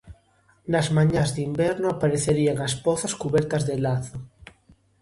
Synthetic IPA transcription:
nɐzmaɲazðimbɛɾnoapaɾeθeɾiaŋaspɔθɐskuβɛɾt̪ɐzðelaθo

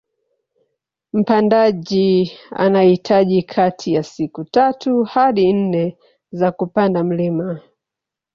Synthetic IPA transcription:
m̩pandaʄia̰nahitʰaʄikʰatʰijasikutatuhaɗin̩nɛ | zakupandam̩lima

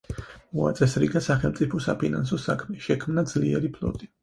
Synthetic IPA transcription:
mɔa̰t̪sʼɛsɾiɡasaχɛlˠmt̪sʼipʰɔsapʰina̰ns̬ɔsakʰmɛʃɛkʰmnad̪zliɛɾipʰlˠɔ̰t̪ʼi

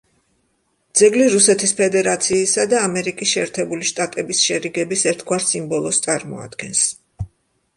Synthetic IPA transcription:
d̪z̥ɛɡliɾusɛt̪ʰispʰɛd̪ɛɾat̪sʰiːsad̪aːmɛɾikʼisʃɛːɾt̪ʰɛbuliʃt̪ʼat̪ʼɛbisʃɛɾiɡɛbisɛɾt̪ʰɡwaɾsimbɔlˠɔst̪sʼaɾmɔ̰a̰d̪̥ɡɛns

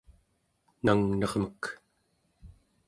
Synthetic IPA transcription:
naŋnʌʁmək

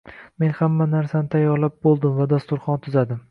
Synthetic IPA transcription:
me̞nhamːanaɾsanɪt̪ʰajɒɾlap̚bolˠd̪ɪmvad̪ast̪ʊɾχɒnt̪ʰʊzad̪ɪm

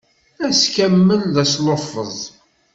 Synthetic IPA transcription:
æskæmːənðæsloffəzˤ

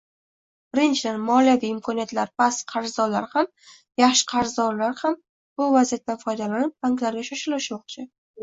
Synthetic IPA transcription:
b̥ɪɾɪnt͡ʃʰɪd̪anmɒlijaviɪmkʰɒnijat̪laɾpʰasqʰɑɾzd̪ɒla̰ɾham | jaχʃɪ̥qʰɑɾzd̪ɒɾlaɾham | b̥ʊvazijat̪ːanfɒjd̪alanɪp̚baŋklaɾɡʲaʃɒʃɪlɪʃmɒq̚t͡ʃʰɪ

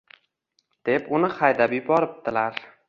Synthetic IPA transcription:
d̪̥e̞pʊnɪχajd̪abjʊbɒɾɪp̚d̪ɪlaɾ

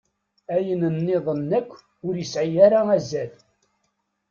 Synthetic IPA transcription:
æjənənːɪðˤənːækʷː | ʊɾjəsʕijaɾaæzːæl

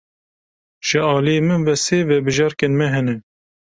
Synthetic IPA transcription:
ʒ̥ɨɑːlijemɨnvɛseːvɛbɨʒɑːɾkeːnmɛɦɛnɛ

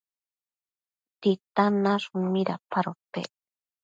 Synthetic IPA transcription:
t̪it̪anaʐumiɾapaɾopḛ

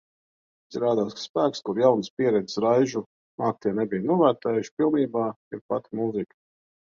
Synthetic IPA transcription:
zʲɾaːd̪aːsspæːkskuɾjawnɨspiɛɾɛd̪zi̥sɾajʒu | naːk̚t̪iɛnɛbijnuɔvæːɾt̪ɛːjuʃpilˠniːbaː | iɾpat̪imuzik

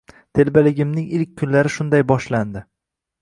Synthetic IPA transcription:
t̪ʰe̞lbalɪɡʲɪmnɪŋɪlkʲʰːʊnlaɾɪʃʊnd̪ajbɒʃland̪ɪ

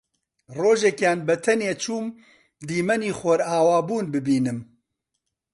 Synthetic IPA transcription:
roːʒɛkjaːnbɛt̪ʰɛneːt͡ʃʰuːm | d̪iːmɛniːxʷɐɾaːwaːbuːnbɨbiːnɨm

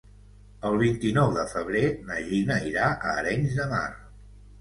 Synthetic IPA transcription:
əlˠβ̞int̪inɔwðəfəβ̞ɾenəʒinəiɾaʔəɾɛɲzðəma̰r

